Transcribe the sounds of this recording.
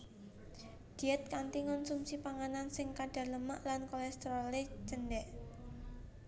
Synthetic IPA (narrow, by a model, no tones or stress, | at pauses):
d̪̥iɛt̪̚kant̪iŋɔnsumsipaŋanansɪŋkaɖ̥a̤ləma̰ʔlankolɛst̪ɾɔle̥d͡ʒ̥ənɖɛʔ